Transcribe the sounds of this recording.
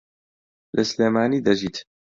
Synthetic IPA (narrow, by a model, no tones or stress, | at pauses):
lʔɐsleːmaːniːd̪ɐʒiːt̪